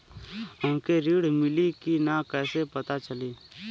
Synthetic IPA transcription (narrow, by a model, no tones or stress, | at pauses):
ʊ̃nkeɾiːɽmɪlikinakɛːsepɐt̪at͡ʃəliː